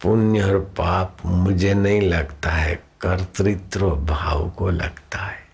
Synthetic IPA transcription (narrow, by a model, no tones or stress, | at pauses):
pʊnjɔːɾpaːpmʊd͡ʒʱenɐɦĩlɐɡt̪aɦɛkɐɾt̪ɾɪt̪ɾəbʱaːwkolɐ̰ɡt̪aɦɛː